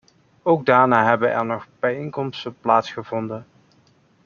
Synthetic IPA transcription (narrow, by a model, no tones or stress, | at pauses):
owɡ̚daːɹnaːɦɛbənɛ̰ɹnɔχb̥ɛjejŋkɔmstəplaːtsχəvɔndən